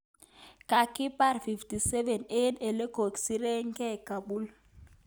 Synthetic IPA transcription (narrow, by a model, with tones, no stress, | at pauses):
kʼa˨kʰi˦pʼa˦rfi˨ftʼi˨sɛ˦vɛ˨ne˦nɛ˨lɛ˦ɡ̥ʱo˨ksi˦rɛ˦ŋkʼɛ˦ɡ̥ʱa˨ɓu˦l